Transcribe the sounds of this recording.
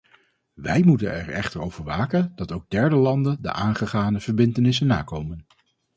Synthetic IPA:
ʋɛjmutə̰nɛ̰ɹɛ̰χtəɹowv̥əɹʋaːkəndɑtowɡ̚dɛɹdəlɑndəndə̰ʔaːnχəχaːnəv̥əɹbɪntənɪs̬ənːaːkowmən

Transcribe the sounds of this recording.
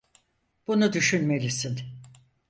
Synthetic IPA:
b̥unud̪yʃynme̞lisin

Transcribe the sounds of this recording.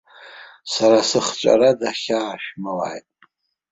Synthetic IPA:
saɾasɨχt͡ʃʷʼa̰ɾadaχʲaːʃᶣmala̰jtʼ

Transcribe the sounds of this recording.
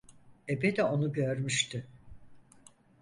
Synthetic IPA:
ebed̪io̞nuɟøɾmyʃt̪ʰʏ

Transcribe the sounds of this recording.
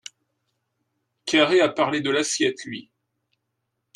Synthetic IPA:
kʲaʁeapaʁled̪əlasjɛt̪lɥi

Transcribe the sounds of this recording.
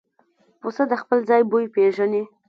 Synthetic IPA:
posad̪əxpəlzɑjbojpeʒane

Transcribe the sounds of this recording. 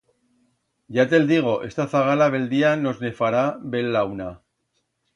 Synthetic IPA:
ʝat̪e̞ld̪iɣ̞o̞ʔe̞̰st̪aθaɣalaβ̞e̞ld̪iano̞zne̞faɾaβe̞lːawna

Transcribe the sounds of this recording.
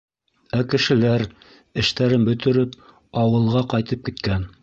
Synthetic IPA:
ækɘ̆ʃɘ̆læɾ | ɘ̆ʃt̪æɾɘnbɵ̆t̪ɘ̆ɾɘp | ɑwɤ̆lˠʁɑqɑjt̪ɤp̚kit̪kæn

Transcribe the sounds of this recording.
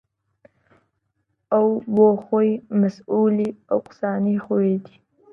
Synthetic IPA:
awwoxojmasulia̰wqʊ̥sɑnixowed̪i

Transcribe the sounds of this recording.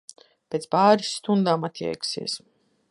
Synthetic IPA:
pʲeːt̪spaːɾisːt̪und̪aːmat̪jɛ̰jksḭɛs

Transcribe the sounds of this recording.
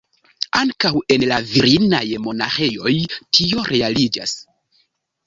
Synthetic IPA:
aŋkawe̞nlaviɾinajmo̞na̰xejo̞jtʰio̞ɾʔe̞alid͡ʒa̰s

